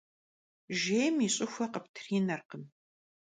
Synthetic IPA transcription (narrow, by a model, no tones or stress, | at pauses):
ʒeːjmiɕʼɪxʷɐqəptʰɨrinɐrqəm